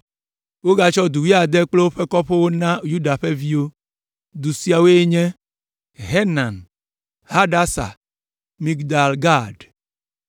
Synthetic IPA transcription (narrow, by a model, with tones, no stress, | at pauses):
wo˦ɡa˦t͡ʃɔ˦d̪u˨wi˦a˨d̪e˦k͡plo˦wo˦ɸe˦kɔ˦ɸe˦wo˦nã˦ju˦ɖa˨ɸe˦vi˦wo˦ | d̪u˨si˨a˨we˦e˦ɲɛ̃˦ | ɦe˦nã˨n | ha˦ɖa˦sa̰˨ | mi˦ɡd̪a˨lɡa˦˨ɖ